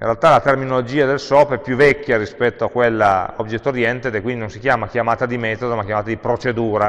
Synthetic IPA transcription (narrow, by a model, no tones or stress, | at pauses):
ḭnrealt̪alat̪erminolod͡ʒiːad̪elsɔpɛpːjuvːɛkʲːaɾispɛt̪ːoakːwelːa̰objet̪ːoɾjɛnt̪ed̪ɛkːwind̪inõnsikjaːmakjamaːt̪ad̪imɛːt̪od̪omakjamaːt̪ad̪ipɾot͡ʃed̪uːɾa